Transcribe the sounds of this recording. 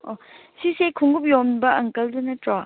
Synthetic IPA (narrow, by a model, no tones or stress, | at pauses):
osisekʰuŋɡup̬̚jomnbɐɐŋkɐldunɐtɾa